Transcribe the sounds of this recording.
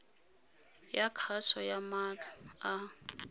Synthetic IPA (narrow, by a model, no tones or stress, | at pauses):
jakʰaʃɔjamatʰḁa